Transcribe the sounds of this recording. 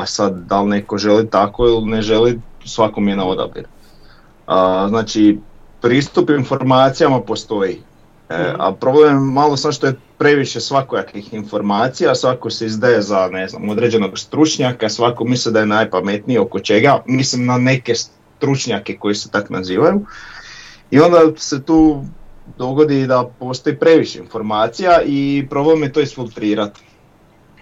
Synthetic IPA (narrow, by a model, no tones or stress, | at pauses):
pasad̪d̪alne̞ko̞ʒe̞lit̪ako̞ilne̞ʒe̞lisʋakomijenaod̪a̰bḭɾu | aznaːt͡ʃipɾiːst̪upinfo̞ɾmaːt̪sijamapo̞st̪o̞ji | ea̰pɾo̞blejmemalo̞samʃt̪o̞je | pɾe̞ʋiʃe̞sʋakojakixinfo̞ɾmaːt̪sijasʋako̞seizd̪aje̞zane̞zna̰mod̪ɾe̞d͡ʑe̞no̞ɡst̪ɾut͡ʃɲakasʋakomislid̪ajenajpame̞t̪nio̞ko̞t͡ʃe̞ɡamislimnane̞ke̞s | t̪ɾut͡ʃɲake̞ko̞jeset̪akna̰ziːʋaju | io̞nd̪ase̞t̪uːd̪o̞ɡo̞d̪id̪apo̞ːst̪o̞jipɾe̞ʋiʃeinfo̞ɾmaːt̪sijaipɾo̞blemjet̪oisfilˠt̪ɾiːɾat̪